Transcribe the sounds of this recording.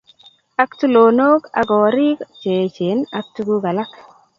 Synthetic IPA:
a˦ktu˦loː˨noː˦ka̰˨kɔː˨ɾɪ˦kt͡ʃe˨t͡ʃɪ˨˦na˦k̚tu˦ɡu˦ka˨la˦k

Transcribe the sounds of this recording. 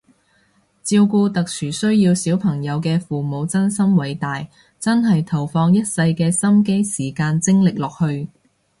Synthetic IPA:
t͡siː˧wkuː˧t̪ɐ˨k̚sʰyː˨˩sɵ˥ɥjiː˧wsiː˨˥wpʰɐ˨˩ŋjɐ˨˧wkɛː˧fuː˨˩mo˨˧wt͡sɐ˥nsɐ˥mwɐ˨˥jt̪aː˨j | t͡sɐ˥nɦɐ˨jt̪ʰɐ˨˩wfɔː˧ŋjɐ˥t̚sɐ˧jkɛː˧sɐ˥mke˥jsiː˨˩kaː˧nt͡sɪ˥ŋlɪ˨k̚lɔː˨k̚hɵ˧ɥ

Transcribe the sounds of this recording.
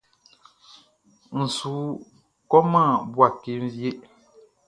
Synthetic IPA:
n̩˨suː˨˦ | kɔ˦ma˦˨bwa˦˨ke˨˦ɱ̩˦vje˦ʔ

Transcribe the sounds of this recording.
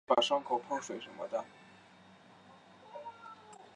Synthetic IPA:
pa˨˩ʂɑ˥ŋkʰo˨˩ʊpʰɤ˥ʂwe˧˥ɪʂə˧˥nmə̰˧d̪ə˧˩

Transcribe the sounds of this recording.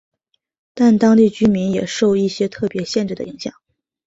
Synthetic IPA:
t̪a˥˩nt̪ɑ˥ŋt̪i˥˩t͡ɕy˥mi˧˥njɛ̰˨˩ʂo˥˧ʊi˥˩ɕjɛ˥t̪ʰɤ˥˩pjɛ˧˥ɕjɛ˥˧nʈ͡ʂɻ̩˥˩d̪ə̰˩i˧˥ŋɕjɑ̰˨˩˦ŋ

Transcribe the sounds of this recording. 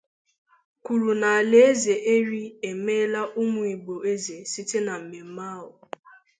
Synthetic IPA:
kʷu˨ɾu˨na˨a˨le˨˦e˦ze˨ʔe˦ɾi˦e˨me˦la˦ʔʊ˦mʊ˨i˨ɡ͡bo˨e˦ze˨si˦te˦na˨m̩˨me˨m̩˦ma˦ɦʊ˨

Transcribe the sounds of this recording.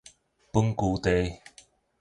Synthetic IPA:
pu˥ŋkuː˨˦t̪e˨˧j

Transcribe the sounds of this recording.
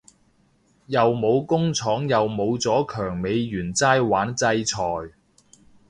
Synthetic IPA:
jɐ˨wmo˨˧wkʊ˥ŋt͡sʰɔː˨˥ŋjɐ˨wmo˨˧wt͡sɔː˨˥kʰœː˨˩ŋme˨˧jːyː˨˩nt͡saː˥jwaː˨˥nt͡sɐ˧jt͡sʰɔː˨˩j

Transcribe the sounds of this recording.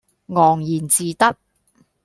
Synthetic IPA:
ŋɔː˨˩ŋjiː˨˩nt͡siː˨t̪ɐ˥k̚

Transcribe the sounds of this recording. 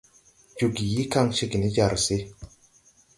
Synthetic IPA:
d͡ʒu˨ɡi˨ji˦ka˦˨ŋʃe˦ɡi˨ni˦d͡ʒa˨ɾse˦

